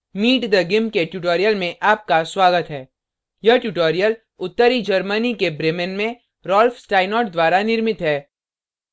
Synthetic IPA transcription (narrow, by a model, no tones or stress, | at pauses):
miːʈd̪ɐɡɪmkeʈjuːʈoːɾijəlmẽʔaːp̚kaswaːɡət̪ɦɛː | jɐɦʈjuːʈoːɾijəl | ʊt̪ːəɾid͡ʒɐɾmənikebɾeːmənmẽ | ɾɔːlfsʈaːɪnɔːʈ̚d̪waːɾanɪɾmɪt̪ɦɛː